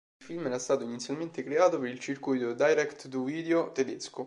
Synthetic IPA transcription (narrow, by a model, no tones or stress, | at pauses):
filmɛɾast̪aːt̪oinit̪sjalment̪ekɾeaːt̪opeɾilt͡ʃirkujt̪od̪ajɾɛkt̪t̪uviːd̪eot̪ed̪esko